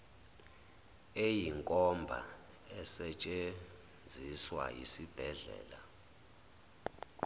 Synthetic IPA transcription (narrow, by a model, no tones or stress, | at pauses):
ejiŋkʼɔmbʱa̰ | ɛsɛt͡ʃʼe | nd͡zʱiswa̰jisib̥ʱɛɮɛ̰ːla